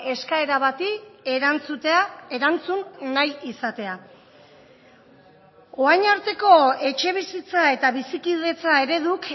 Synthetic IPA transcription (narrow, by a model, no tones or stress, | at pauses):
e̞skae̞ɾaβat̪it͡s̪eɾant͡sunːajisat̪e̞a | o̞ajɲaɾt̪e̞ko̞e̞t͡ʃe̞βisit͡sae̞t̪aβisikiðe̞t͡sae̞ɾe̞ðuk